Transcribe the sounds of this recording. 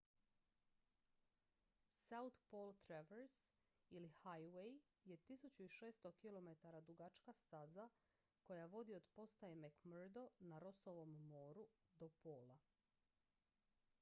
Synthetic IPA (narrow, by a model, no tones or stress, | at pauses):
saut̪poːlˠt̪ɾeʋeɾs | ilihajwej | je̞t̪isut͡ɕuiʃe̞ːst̪okilo̞met̪aɾad̪ɾuɡat͡ʃkast̪aza | ko̞jaʋo̞d̪io̞d̪po̞st̪aemekmrd̪o̞naɾo̞st̪oʋo̞mːoːɾu | d̪o̞poːla